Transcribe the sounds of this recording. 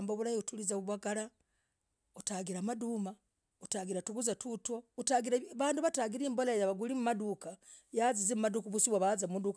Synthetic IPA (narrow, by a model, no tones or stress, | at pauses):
mboβulahiutulizaβuβwaɡala | utaɡiɾamaduma | utaːɡiɾatuɡuzatutwoutaɡiɾaβaːnduβataɡiɾiːmbolaejaβaɡulimumadukajazizimumadukuβusiβwaβazamumuduk